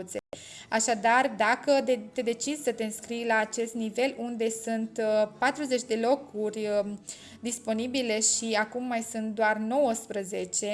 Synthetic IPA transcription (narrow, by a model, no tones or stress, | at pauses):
t̪se | aʃad̪ard̪akət̪e̞d̪e̞t͡ʃid̪sət̪e̞ɨnskɾijlaːt͡ʃe̞st̪nive̞lʔund̪e̞sunt̪pat̪ɾuze̞t͡ʃʲd̪e̞lo̞kurʲ | d̪ispo̞nibile̞ʃiakumːajsunt̪̚d̪oarno̞wəspɾəze̞t͡ʃe̞